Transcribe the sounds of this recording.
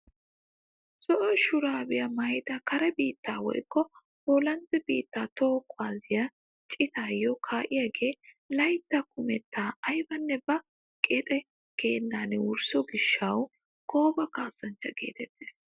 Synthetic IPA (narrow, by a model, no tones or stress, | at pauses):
sɔʔɔʃʊɾaːbɪjɐmɐjd̪ɐkɐɾɛbiːt̪ːaːwɔ̰jkːɔ | hoːlɐnt̪ɛbiːt̪ːaːt̪oːkʰːwaːzɪjɐ | t͡ʃʼɪt̪aːjɔkʰaːʔɪjaɡe̞ː | lɐjt̪ːɐkʰʊmɛt̪ːaːɐjbɐnːɛbɐ | kʼeːt̪ʼɛ | ke̞ːnːaːnɪwʊɾsɔɡɪʃːɐw | koːbɐkaːsːɐnt͡ʃːɐɡḛːt̪ɛt̪ːeːs